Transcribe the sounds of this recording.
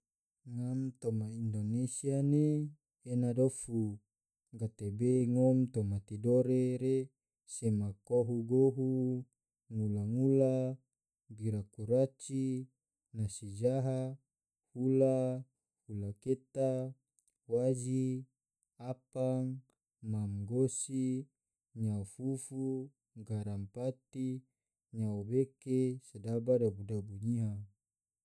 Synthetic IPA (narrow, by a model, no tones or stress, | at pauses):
ŋamt̪omaindonesiane | enadofu | ɡat̪ebeŋomt̪omat̪idoɾeɾe | semakoɦuɡoɦu | ŋulaŋula | biɾakuɾat͡ʃi | nasid͡ʒaɦa | hula | hulaket̪a | wad͡ʒi | apaŋ | mamɡosi | ɲafufu | ɡaɾampat̪i | ɲaobekesedabadabudabuɲiɦa